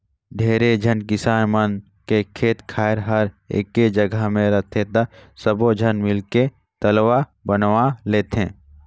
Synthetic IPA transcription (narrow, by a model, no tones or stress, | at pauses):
ɖʱeːɾed͡ʒʱənkɪsaːmən | kekʰeːt̪kʰaːɪɾɦəɾḛːkːed͡ʒəɡʱəmẽɾət̪ʰet̪əsəbod͡ʒʱənmɪlke | t̪əlʋabənwaleːt̪ẽː